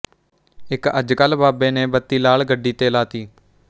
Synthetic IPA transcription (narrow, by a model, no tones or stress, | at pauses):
ɪkə̰d͡ʒkəlbaːbeːneːbət̪ːiːlaːlɡəɖːiːt̪eːlaːt̪iː